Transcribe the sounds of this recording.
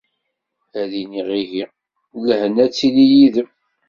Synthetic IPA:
æðiniʁiɦi | lhənæt͡sːilijiðəm

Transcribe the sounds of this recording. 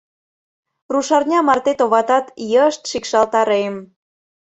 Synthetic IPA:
ruʃɑrnʲɑmɑrt̪et̪oβɑt̪ɑt̪jəəʃt̪ʃikʃɑlt̪ɑɾem

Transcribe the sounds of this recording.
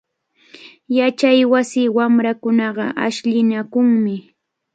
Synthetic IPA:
jat͡ʃajwasɪːwamɾakʊnɑɢɑʔaʃʎɪnakʊŋmɪ

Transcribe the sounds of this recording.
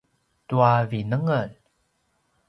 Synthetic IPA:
tuavinəŋəl

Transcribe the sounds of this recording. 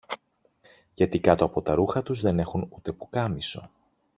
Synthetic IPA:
ʝɐt̪ikɐt̪oɐpo̞t̪ɐɾuxɐt̪uzðe̞ne̞xunut̪e̞pukɐmiso̞̰

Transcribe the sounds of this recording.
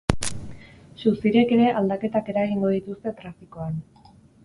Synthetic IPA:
susiɾe̞ke̞ɾe̞ʔald̪ake̞t̪ake̞ɾaɣiŋɡo̞ð̞it̪ust̪e̞t̪ɾafiko̞an

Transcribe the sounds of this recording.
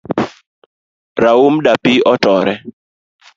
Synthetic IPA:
ɾaumdapiɔtɔɾɛ

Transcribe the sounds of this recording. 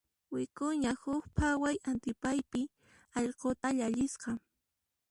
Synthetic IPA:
wɪkʊɲahʊkpʰawajant̪ɪpajpɪ | ɑʎqot̪aʎaʎɪsqɑ

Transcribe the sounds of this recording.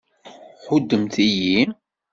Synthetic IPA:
χʊd̪ːəmt̪ijin

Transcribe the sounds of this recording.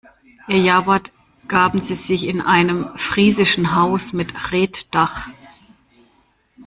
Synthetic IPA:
ʔɛːɐjaːvɐt | ɡ̥aːbm̩ziːzɪçɪnʔa̰ɪnəmfʁ̥iːzɪʃn̩ɦaʊsmɪtʁeːtd̥aχ

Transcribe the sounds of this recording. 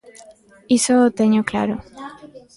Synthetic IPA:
isot̪eɲokla̰ɾo

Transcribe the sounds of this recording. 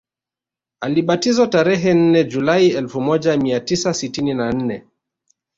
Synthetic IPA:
aliɓatizataɾɛɦɛn̩nɛd͡ʒulaiɛlfumɔʄamiatisasitininan̩nɛ

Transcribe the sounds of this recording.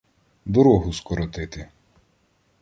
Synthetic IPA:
d̪ɔɾɔɦʊskɔɾɔt̪ɪt̪ɪ

